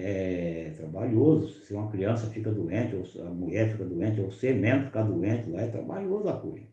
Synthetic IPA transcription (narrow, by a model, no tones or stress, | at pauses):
ɛt̪ɾabaʎozʊsɪũmɐkɾiɐ̃sɐfikɐd̪uẽt͡ʃɪosɐmuʎɛɾfikɐd̪uẽnt͡ʃɪosemẽnʊfi̥kad̪uẽt͡ʃɪlaɛt̪ɾa̰baʎozʊakulḭ̃